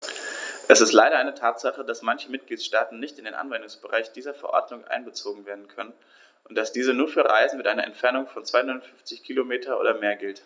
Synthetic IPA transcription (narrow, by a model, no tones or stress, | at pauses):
ʔɛsɪstlaɪɾɐʔaɪnətʰaːtz̥aχədasmançəmɪt̚ɡ̥liːtʃtaːtn̩nɪçtɪndeːnʔa̰nvɛndʊŋsb̥əʁa̰ɪçd̥iːzɐfɛɐʔɔ̰ɐdnʊŋʔa̰ɪnbət͡soːɡŋ̩veːɐdn̩kʰœnən | ʔʊnt̚d̥asd̥iːzənuːɐfyːɐʁa̰ɪzn̩mɪtʔaɪnɐ̰ʔɛ̰ntfɛɐnʊŋfɔnt͡sv̥aɪʊnɐfʏnft͡sɪçkʰiːlomeːtʰɐʔo̰ːdɐmeːɐɡɪlt